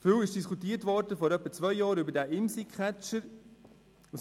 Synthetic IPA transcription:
fywɪʃd̥iskʰutiːətʋɔɾdəfɔɾœpːət͡svœʏjɑːɾybəɾdæːʔɪmsikʰæt͡ʃəɾ

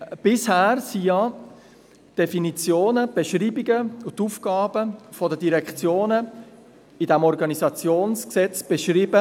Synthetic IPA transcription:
b̥ɪshæːɾsijɑ | d̥efinit͡sjoːnəb̥eʃriːbiɡəʊtufkɑːb̥əfɔdədiɾɛkt͡sjoːnə | idɛmɔɾɡɑnizɑt͡sjoːnsksɛt͡sb̥eʃriːbə

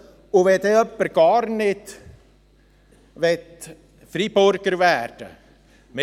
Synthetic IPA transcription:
ʊʋɛd̪eːœpːəɾɡ̥ɑːɾnɪt | ʋɛt̪ | fɾiːbøɾɡ̥əɾvæːrd̥ə̰ | me

